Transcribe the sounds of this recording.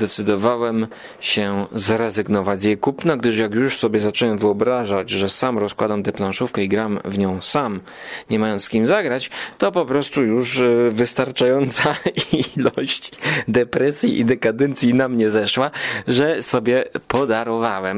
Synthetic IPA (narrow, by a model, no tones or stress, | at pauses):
d̪ɛt̪sɘd̪ɔvawɛm | ɕɛzɾɛzɘɡnɔvad͡ʑzjejkupnaɡd̪ɘʂjakjuʂsɔbʲjɛzat͡ʂɛwɛmvɘɔbɾaʐad͡ʑʐɛsamɾɔskwad̪amt̪ɛplãʂufkɛiɡɾamvɲɔ̃w̃sam | ɲɛmajɔ̃nskʲimzaɡɾat͡ɕt̪ɔpɔpɾɔst̪ujuʂvɘst̪aɾt͡ʂajɔnt̪sailɔɕt͡ɕd̪ɛpɾɛsʲjḭʔḭd̪ɛkad̪ɛnt̪sʲjinamɲɛzɛʂwaʐɛsɔbʲjɛpɔd̪aɾɔvawɛm